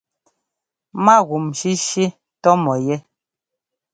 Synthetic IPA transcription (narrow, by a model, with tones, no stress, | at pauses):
ma˦˨ɣu˨mʃi˦ʃi˦ | tɔ˦mɔ˨jɛ˦